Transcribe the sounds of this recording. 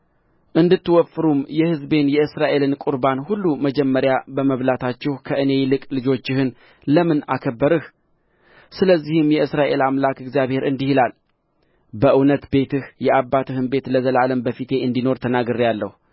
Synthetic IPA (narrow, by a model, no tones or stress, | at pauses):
ʔɨnd̪ɨt̪ːɨwɔfːɨɾumjɛhɨzbe̞njɛɨsɾaʔe̞lɨnkʼuɾbanhulːuməd͡ʒɛmːəɾjabəməβlat̪ʰat͡ʃːɛhkʰəʔɨne̞lɨkʼlɨd͡ʒo̞t͡ʃːɪhɨn | ləmɨna̰kʰəbːəɾɨh | sɨləzːihɨmjɛɨsɾaʔe̞lamlakɨɡzijaβhe̞ɾɨnd̪ihilal | bəʔɨwnət̪be̞t̪ʰɨhjɛʔabːat̪ɨhɨnbe̞t̪ləzəlaləmbəfit̪ʰe̞ɨnd̪ino̞ɾt̪ʰənaɡɨɾjalːə̰h